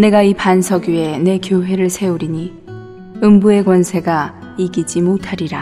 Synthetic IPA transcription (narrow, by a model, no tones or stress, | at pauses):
ne̞ɡaipansʰʌɡie̞ne̞kjoɦe̞ɾɯɭsʰe̞uɾiɲi | ɯmbue̞ɡwʌnsʰe̞ɡa | iɡid͡ʑimotʰaɾiɾa